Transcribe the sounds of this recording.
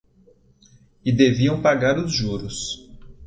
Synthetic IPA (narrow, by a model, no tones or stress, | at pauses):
ɪd̪eviɐ̃w̃paɡaɾʊzʒuɾʊs